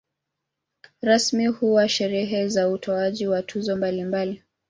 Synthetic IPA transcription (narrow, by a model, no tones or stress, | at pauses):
ɾasmihuwaʃɛɾɛɦɛzautʰɔaʄiwatʰuzɔmbalimbali